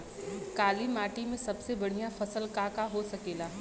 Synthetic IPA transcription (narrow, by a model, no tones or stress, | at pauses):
kaːlimaːʈimẽsɐbsebɐɽ̤ijafɐsəlkaːkaɦosɐkeːlaː